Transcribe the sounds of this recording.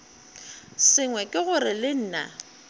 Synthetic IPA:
sɪŋwɛkʼɪɣʊɾɪlɪn̩ːna̰

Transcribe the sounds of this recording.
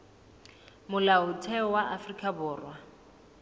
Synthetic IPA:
mʊlaʊtʰɛɔwaʔafrikʼabʊːrwa

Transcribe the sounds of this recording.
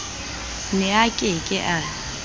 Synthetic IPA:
nɪakʼɪkʼɪʔa

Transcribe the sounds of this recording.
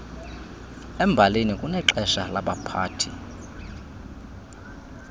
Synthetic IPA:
ɛmbʱalenikʼunɛǃɛʃalaɓapʰaːtʰi

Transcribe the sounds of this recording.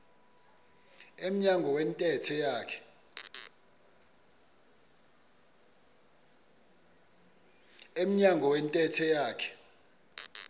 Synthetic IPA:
em̩ɲaŋɡʱɔwɛntʼɛtʰɛjaːkʰɛ̥ | em̩ɲaŋʱɔwɛntʼɛtʰɛjaːkʰɛ̥

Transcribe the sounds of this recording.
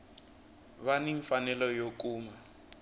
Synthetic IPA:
βaniɱfanɛlɔjok̬ʼuːma

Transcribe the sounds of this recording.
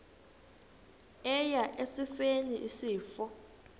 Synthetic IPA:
ɛjaʔesifeniʔisiːfɔ

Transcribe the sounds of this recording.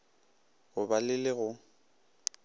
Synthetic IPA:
ɣʊbalɪlɪɣʊ

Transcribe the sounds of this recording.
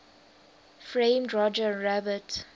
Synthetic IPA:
fɹẽɪmdɹɔd͡ʒəɹabət

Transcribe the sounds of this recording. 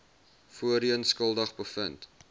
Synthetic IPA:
fuəɾiənskəlˠdəχbəfənt

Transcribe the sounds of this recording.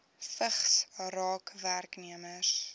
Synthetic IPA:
fəχsɔɾɔɡʰvarɡniəməɾ

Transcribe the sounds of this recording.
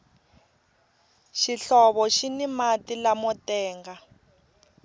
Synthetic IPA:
ʃiɬɔβɔʃinimatilamɔtɛːŋɡa

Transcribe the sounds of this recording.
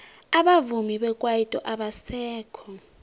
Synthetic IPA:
aɓavumiɓɛkʼwajitʼɔʔaɓasɛːkʰɔ

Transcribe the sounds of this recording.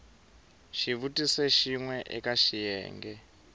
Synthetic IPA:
ʃiβutʼisɛʃiŋwɛʔɛkaʃijɛ̰ːŋɡɛ

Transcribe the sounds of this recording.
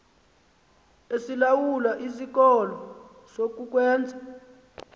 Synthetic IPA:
esilawulaʔisik̬ɔlɔ | sok̬uk̬wɛːnd͡zʱḁ

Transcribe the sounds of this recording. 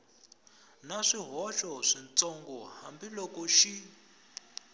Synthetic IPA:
naʂiɦɔʃɔʂint͡sɔŋɡɔhambilɔkɔʃi

